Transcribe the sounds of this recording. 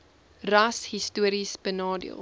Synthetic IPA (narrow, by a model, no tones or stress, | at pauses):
rɐshistuəɾisbənɑːdḭə̰lˠ